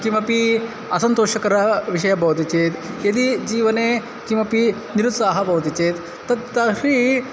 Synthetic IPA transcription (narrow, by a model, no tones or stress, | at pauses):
kimɐpi | ɐsɐnt̪oːʂɐkɐɾɐʋiʂ̬ɐjɐbʱɐʋɐt̪it͡ʃeːt̪jɐd̪id͡ʒiːʋɐneː | kimɐpi | niɾut̪saːɦɐbʱɐʋɐt̪it͡ʃeːt̪ːɐt̪t̪ɐʂi